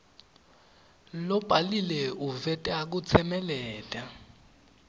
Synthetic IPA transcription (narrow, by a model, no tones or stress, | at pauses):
lɔb̥ʱalilɛuvɛtʼak̬ut͡sʰɛmɛlɛːtʼa